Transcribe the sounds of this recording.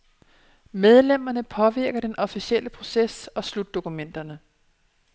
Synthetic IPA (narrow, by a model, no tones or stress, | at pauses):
með̞ˠlem̰ɐnəpʰɒ̽ʋiɐ̰ɡ̥ɐd̥enʔɒ̽fiɕiel̰əpʰʁo̝sesɒ̽slud̥ːo̝kumen̰d̥ɐnə